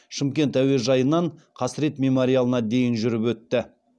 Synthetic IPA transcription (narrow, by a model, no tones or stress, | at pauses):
ʃɪmkʲe̞nt̪æwe̞ʒɑjənɑɴ | qʰɑsɾe̞t̪mʲe̞moɾijalˠənɑd̪e̞jɪnʒʏɾɪpwɵt̪ːɪ